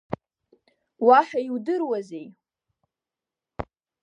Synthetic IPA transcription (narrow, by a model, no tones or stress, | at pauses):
waħᶣaiwdɨrwaze̞j